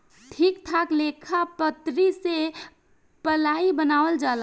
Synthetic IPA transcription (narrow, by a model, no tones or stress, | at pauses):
ʈʰikt̪ʰaklekʰapət̪ɾise | pəlaibənaːʋəld͡ʒaːl